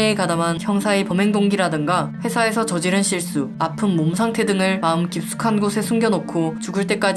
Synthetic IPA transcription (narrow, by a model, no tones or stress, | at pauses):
ekadamançjʌŋsʰaepʌme̞ŋdoŋɡiɾadɯŋɡaɸwe̞sʰaesʰʌt͡ɕʌd͡ʑiɾɯnɕʰiɭs͈uapʰɯmːomusʰaŋtʰe̞dɯŋɯɭmaɯmkip̚s͈u̥kʰanɡosʰe̞sʰuŋɡjʌnokʰot͡ɕuɡɯɭt͈e̞k͈ad͡ʑ